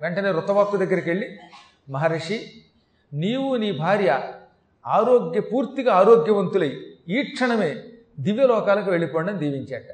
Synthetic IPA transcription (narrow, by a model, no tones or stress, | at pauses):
ʋeɳʈɐne̞ːɾɔt̪ːɐbaːp̚t̪ud̪ɐɡːɐɾɐkeɭːi | mɐɦɐɾɐʂi | niːwuniːbʱaːɾjɐ | aːɾoːɡjɐpuːɾt̪iɡɐaːɾoːɡjɐʋɐnt̪ulɐjiːʈʂʰɐɳɐme̞ː | d̪iʋjɐlɔːkaːlɐkuʋe̞ɭːipɔːɳɖɐnid̪iːʋiɲt͡ʃaːʈɐ